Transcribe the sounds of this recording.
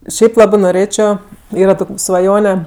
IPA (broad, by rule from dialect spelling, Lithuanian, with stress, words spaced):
ˈʃʲɛɪp ˈlˠɑːbɜ noːˈrʲeːt͡ʃʲoː ˈiːrɐ ˈtoːkʲ sʋɐˈjoːnʲɛ